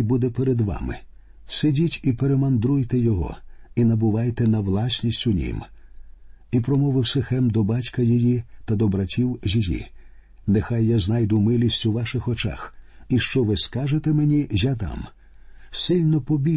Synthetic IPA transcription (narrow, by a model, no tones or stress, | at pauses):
bud̪ɛpeɾed̪ʋa̰mɪ̰ | sedʲitʲipeɾemɐnd̪ɾujt̪ɛjɔɦɔ̰inɐbʊʋajt̪ɛnɐwlˠɑsʲnʲisʲtʲʊnʲḭm | ipɾɔmɔʋɪwsɪxɛmd̪ɔbatʲkɐjijit̪ɐd̪ɔbɾɐtʲiwʒʲijḭ | nexajːaznajd̪ʊmɪlʲisʲtʲuʋaʃɪxɔt͡ʃa̰x | iʃt͡ʃɔʋɪskaʒet̪emenʲijat̪a̰m | sɪlʲnɔpɔbʲi